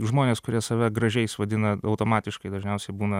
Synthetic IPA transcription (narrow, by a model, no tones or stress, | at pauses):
ʒmoːnʲeːskʊɾʲiɛsɐʋʲɛɡɾɐʒʲɛɪsʋɐd̪ʲɪnɐɐʊt̪oːmɑːt̪ʲɪʃkɐɪd̪ɐʒʲnʲɛʊsʲɛɪbuːnɐ